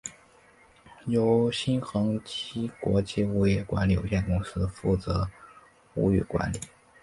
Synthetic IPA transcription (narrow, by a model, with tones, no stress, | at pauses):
jo˧˥ʊɕi˥nxɤ˧˥ŋt͡ɕi˥kwɔ˧˥t͡ɕi˥˩u˧˥˩jɛ˥˩kwa̰˧˥nli˨˩jo̰˨˩ʊɕjɛ˥˩nkʊ˥ŋsɹ̩˥fu˥˩t͡sɤ˧˥ | u˧˥y̰˨˩kwa̰˧˥nli˨˩˦